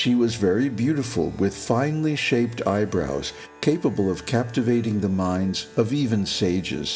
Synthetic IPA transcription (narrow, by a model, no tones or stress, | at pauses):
ʃiwʌzvɛɹibjʉɾɨfl̩ˠwɪð̥fãɪ̃nliʃeɪp̚tʰa̰ɪbɹa̰ʊz̥ | kʰeɪpəbəl̩ˠʌv̥kʰæp̚tɨveɪɾɪ̃ŋðəmãɪ̃ndzʌvivɨ̃nseɪd͡ʒɪ̰z̥